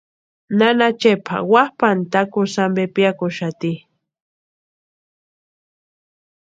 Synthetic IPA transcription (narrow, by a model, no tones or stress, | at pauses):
nanat͡ʃepʰa̰wahpant̪akʊsambepjakʊʃat̪i